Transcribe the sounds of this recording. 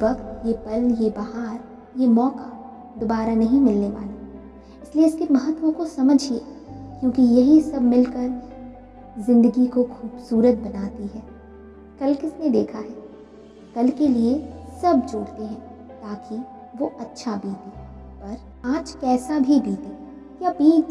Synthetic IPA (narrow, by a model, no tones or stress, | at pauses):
ʋɐkt̪jepɐljebaɦaːɾ | jemɔːka | d̪obaːɾanɐɦĩmɪlneʋa̰ːla | ɪslieɪskemɐɦət̪ːʋõkosɐməd͡ʒʱeːkjõːkijɐɦisɐbʱmɪlkɐɾ | zɪ̃nd̪əɡikoxuːbsuːɾət̪̚bɐnaːt̪iɦɛː | kɐlkɪsned̪eːkʰaɦɛː | kɐlkeliesɐbd͡ʒoːɽt̪eɦɛ̃ː | t̪aːki | ʋoʔɐtːʃʰabiːt̪i | pɐɾ | aːd͡ʒkɛːsabʱibiːt̪ẽː | jabiːt͡ʃ